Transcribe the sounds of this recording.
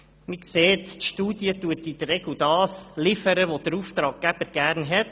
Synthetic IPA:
məkseːt̪tʃtuːd̪jətuətid̥̪ərːɛɡ̥lwd̥̪ɑːslɪfəɾəʋod̥əɾuft̪ɾɑːɡ̚ɡæb̥əɾɡ̥æːɾnɦɛt

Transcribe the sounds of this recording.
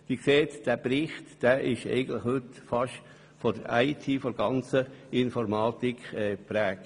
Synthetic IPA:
dikseːt̪d̥æbɾɪχtd̥æʔɪʃɛ̰ɪɡən̩tlɪχhɵt̪fɑʃ | fɔd̥əɾaɪtʰiːfɔɡ̥ɑnt͡səɪnfɔɾmɑːtikʰɛːpɾæːk̚

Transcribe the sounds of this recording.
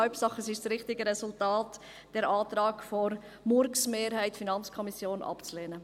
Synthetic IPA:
œlpsɑχəsɪʃsɾɪχtɪɡəɾɛsʊltaːt | d̥ɛɾɑːt̪ɾɑːɡfɔɾ | mʊɾksmeːɾhæɪtfinɑnt͡skʰɔmisjoːnʔɑ̰pt͡sleːnə

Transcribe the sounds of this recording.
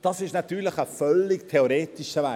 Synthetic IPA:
d̥ɑsɪʃnɑt̪yːləχəfœlɪktʰeoɾeːtiʃəvæ

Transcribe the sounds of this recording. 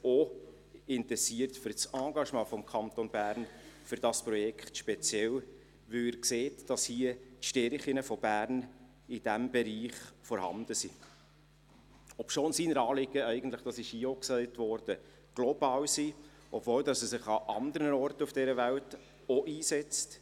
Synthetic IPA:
o | ɪntɛsiːəɾtfʏɾt͡sɑ̃ːɡɑʃmɑ̃ːfɔmkʰɑnt̪onbæːɾnfʏɾd̥ɑspɾrɔjɛkʰχtʃpɛt͡sjɛl | ʋɪɪɾkseːtd̥ɑshiətʃtɛɾχɪnəfɔb̥æːɾn | ɪd̥æmbɛɾiːχfɔɾhɑ̰nd̥əsi | ɔpʃoːnsiːnəɾɑːlɪɡəɛɪɡən̩t̪ləχd̥ɑsɪʃhiːɔksɛɪtvɔɾd̥ə | ɡ̥lɔbɑːwsiː | ʔɔbvoːldɑsɛsɪχɑʔɑnd̪əɾənənɔrtufd̥ɛɾəvælt | ɔʔiːsɛt͡st

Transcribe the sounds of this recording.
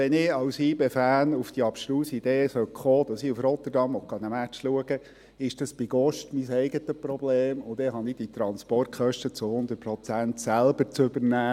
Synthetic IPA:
ɛnɪɑwshiːbefæːnufd̥iɑpʃluːsid̥̪eːsœkχoːd̥̪ɑsɪufrɔt̪ərdɑmʋɔkːɑnəmæt͡ʃluəɡə | ɪʃd̥ɑsb̥ɪɡ̥ɔʃtmisɛɪɡət̪əpɾɔbleːmʊd̥̪ɛɦɑnɪd̥it̪ɾɑnspɔrt̚kʰχœʃtət͡sʊhʊnd̪ər̚pɾɔt͡sænt̪sælbəɾt͡sʏbəɾnæː

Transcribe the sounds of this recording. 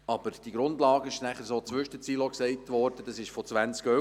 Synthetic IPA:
ɑb̥əɾd̥iɡ̥ɾʊndlɑːɡəɪʃnæχəɾsoːt͡sʋʏʃdət͡siːloksɛɪtʋɔɾd̥əd̥ɑsɪʃfɔt͡sʋænt͡skœ

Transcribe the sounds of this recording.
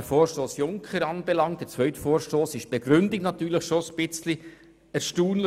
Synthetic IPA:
əfoːɾʃtoːsjʊŋkχəɾɑːnbɛlɑŋtdɛt͡svœʏtfoːɾʃtoːsɪʃb̥ɛɡ̥ɾʏndɪknɑt̪yːɾləχʃosb̥ɪt͡sli | əʃtuːnlə

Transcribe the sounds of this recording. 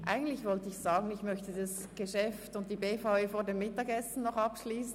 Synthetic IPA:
ʔa̰ɪɡn̩tlɪçvɔltəɪçz̥aːɡn̩ɪçmœçtədɑs | ɡ̥eʃɛftʊnt̚d̥iːbeːfaʊøːfoːɐdemːɪtɑɡɛsn̩nɔχɑpʃliːsn̩

